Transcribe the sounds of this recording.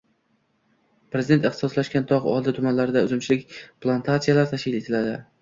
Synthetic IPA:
pɾezd̪et̪ɨχt̪ɪ̥sɒslaʃkʲant̪ʰɒʁɒ̰lˠd̪ɪt̪ʰʊmanlaɾɪd̪aʊzʊmt͡ʃʰɪlɪkʲplˠant̪ʰat̪sijalaɾt̪ʰaʃkʲɪlet̪ʰɪlad̪ɪ

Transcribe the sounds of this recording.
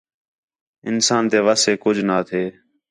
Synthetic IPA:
ɪnsaːnt̪eːʋaːseːkʊd͡ʒʱnaːt̪ʰeː

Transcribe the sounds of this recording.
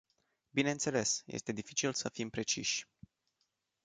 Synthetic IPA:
bine̞ɨnt̪se̞le̞sjḛst̪e̞d̪ifit͡ʃilsəfimpɾe̞t͡ʃiʃʲ

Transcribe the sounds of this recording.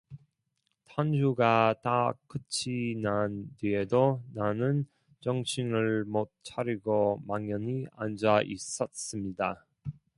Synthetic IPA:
tʰand͡ʑʰuɡatak͈ɯt͡ɕʰinandiedonanɯn | t͡ɕʌŋɕʰiŋɯɭmot̚t͡ɕʰaɾiɡomaŋjʌɲia̰nd͡ʑaʔis͈ʌs͈ɯmɲida

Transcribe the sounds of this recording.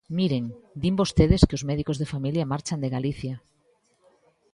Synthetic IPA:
miɾeŋd̪imbost̪eðeskeozmɛðikozðefamiljamaɾt͡ʃand̪eɣaliθja

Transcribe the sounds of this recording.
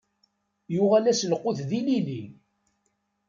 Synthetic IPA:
jʊʁælæslqːʊθðilili

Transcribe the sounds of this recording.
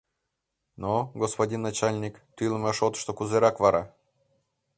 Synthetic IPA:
noɡospadʲinːat͡ɕalʲnʲikt̪ɨlˠmaʂot̪ʂt̪okuzeɾakvaɾa

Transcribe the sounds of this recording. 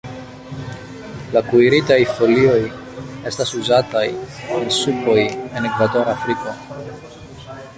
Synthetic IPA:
lakuiɾit̪ajfo̞lio̞j | e̞st̪ɐsuzat̪ajensupo̞je̞nekvat̪o̞ɾafɾiko̞

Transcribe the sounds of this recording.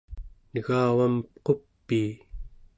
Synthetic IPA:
nəɣaːwampqo̞pːiː

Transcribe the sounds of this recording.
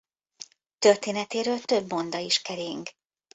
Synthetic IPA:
t̪ø̞rt̪eːnɛt̪eːɾøːlt̪ø̞bːo̞nd̪ɒiʃkɛɾeːŋk

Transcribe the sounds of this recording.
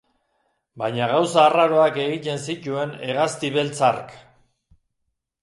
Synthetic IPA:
bajɲaɣawsaːraɾo̞ake̞ɣit̪e̞nsic̪ue̞ne̞ɣast̪iβe̞lt͡sark

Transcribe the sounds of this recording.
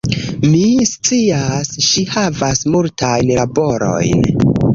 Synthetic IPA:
mist͡siasʃihavasmultajnlabo̞ɾo̞̰jn

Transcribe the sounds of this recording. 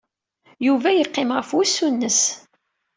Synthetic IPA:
juvæjəqːemʁəfwæsːunːəs

